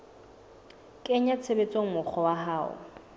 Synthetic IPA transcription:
kʼɛɲat͡sʰebet͡sʼoŋ̩mʊk͡xʰɔwaɦaːʊ̰

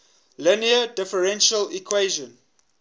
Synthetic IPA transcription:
lɪniədɪfəɹɛ̃nʃəlikʰweɪʒə̃n

